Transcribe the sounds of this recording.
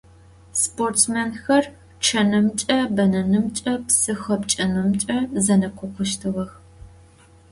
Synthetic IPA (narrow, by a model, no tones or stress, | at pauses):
spʰortmɐnxɐr | t͡ʃʰɐnɨmt͡ʃʼɐbɐnɐnɨmt͡ʃʼɐpsɨxɐpt͡ʃʼɐnɨmt͡ʃʼɐzɐnɐkʷɔkʷʰʊʃtʰɨʁɐx